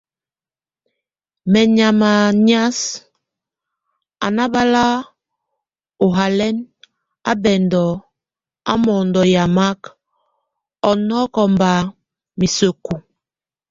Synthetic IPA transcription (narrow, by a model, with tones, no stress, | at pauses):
mɛ˨ɲa˨ma˨ɲ˦a˦s | a̰˨na˦ba˦la˦ | o˨ɦa˨lɛ˦n | a˦bɛ˨ndɔ˨ | a̰˦mɔ˨ndɔ˨ja˨ma˦k | ɔ˨nɔ˦kɔ˨mba˨ | mi˨so˨ku˨